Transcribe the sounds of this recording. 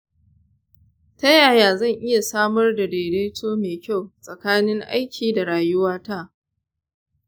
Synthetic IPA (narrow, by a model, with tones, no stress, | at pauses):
tɐ˦jaː˨jaː˨zɐ˦˨ŋʔɪ˦ja˨saː˦mɐ˦rda˨deː˨ɽeː˦tʰoː˦meː˨kʲa˦˨wsʼɐ˨kaː˦nɪ˦ŋʔa̰˦jkʲʰiː˨da˨ɽaː˨jʊ˦waː˦ta˦˨ʔ